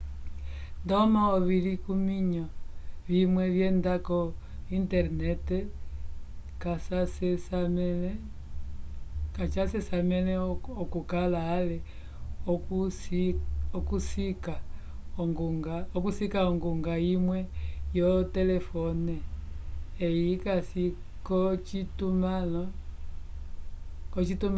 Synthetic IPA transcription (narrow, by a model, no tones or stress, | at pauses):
ndɔmaɔβilikumiɲɔβimwɛβjɛndakɔ | intɛɾnɛtɛ | kasasɛ | kat͡ʃasɛsamɛlɛɔkukalaːlɛ | ɔkus | ɔkusika | ɔŋɡuŋɡaɔk̬usikaɔŋɡuŋɡaimwɛjɔtɛlɛfɔnɛː | ikasi | kɔt͡ʃitumalɔ | kɔt͡ʃitum